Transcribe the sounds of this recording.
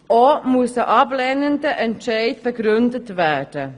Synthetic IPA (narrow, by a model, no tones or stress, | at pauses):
ʔomusəʔɑblenəndəʔɛntʃɛɪtb̥əɡɾʏndətvɛd̥ə